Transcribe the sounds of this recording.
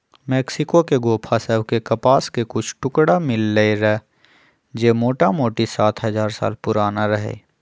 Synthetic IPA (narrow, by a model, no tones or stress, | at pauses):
mɛːksɪkokeɡoːpʰasəbkekɐpaːskekʊt͡ʃʰʈʊkɽamɪlːəeɾɛː | d͡ʒeːmoːʈamoːʈisaːt̪ʰɦɐzaːɾsa̰ːlpʊɾaːnaɾɐɦḛː